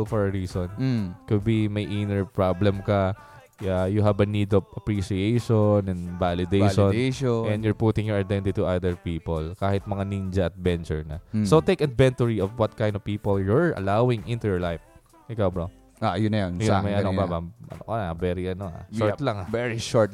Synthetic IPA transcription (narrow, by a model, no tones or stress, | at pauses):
lfɔɹɐɹiːsɔnkʊd̪̚bimɐjʔinɛɹpɹablɛmkɐ | ajʊɦɐbɐnid̪ɔvɐpɹiʃiejʃonɛ̃nvalɪd̪ejʃɔnʃɛ̃nd̪jʊɹpuːt̪ɪ̃ŋjɔɹɐd̪ɛ̃nt̪ɪt̪uʔad̪ɛɹpiːpɔlkaːhɪt̪̚mɐŋanind͡ʒɐɐt̪̚bɛnt͡ʃʊ̰ɹnɐ̰sot̪ejkɐd̪vɛ̃nt̪ʊɹiɔvwɐt̪̚kãjnd̪ɔvpiːpɔljʊɹɐ̰lawɪ̃ŋʔɪ̃nt̪ujɔɹlajf | ʔɪkawbɹo | ajʊnːɐjanjmɐjʔɐnobabaʔɐ̰nokɐnbɛɾiʔɐnoa̰ʃɔɹt̪laŋavɛɹiʃɔɹt̪